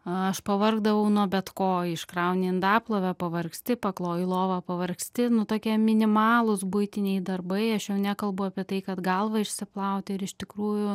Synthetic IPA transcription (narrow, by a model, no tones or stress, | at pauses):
ɐʃpɐʋɐrɡd̪ɐʋɐʊnuɔbʲɛt̪koːɪʃkɾɑʊnʲeːɪnd̪ɑːplˠoːʋʲɛpɐʋɐrksʲt̪ʲɪpɐklˠoːjlˠoːʋɐpɐʋɐrksʲt̪ʲɪnʊt̪oːkʲiɛmʲɪnʲɪmɑːlˠʊsbʊɪt̪ʲɪnʲɛɪd̪ɐrbɐɪɐʃjɛʊnʲæːkɐlˠbʊɑːpʲiɛt̪ɐɪkɐt̪ɡɐlˠʋɐɪʃʲsʲɪplˠɐʊt̪ʲɛɪɾɪʃʲt̪ʲɪkɾuːjʊ